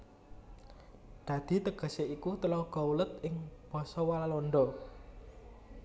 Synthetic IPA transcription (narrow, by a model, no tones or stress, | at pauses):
d̪̥ä̤d̪̥i̤t̪əɡ̥ə̤seikut̪əlɔɡ̥ɔulət̪̚ʔɪŋb̥ɔ̤sɔwalalɔnɖ̪ɔ